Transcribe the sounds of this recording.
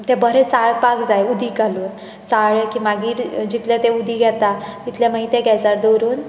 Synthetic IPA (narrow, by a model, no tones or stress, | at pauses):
t̪ɛbəɾet͡saɭpakd͡zajud̪ʱiːkaluːn | t͡saɭekiːmaɡiːɾd͡ʑit̪ljat̪eud̪ʱiːɡʱɛt̪at̪it̪ljaməɦit̪eɡʱɛd͡zaɾd̪owɾuːn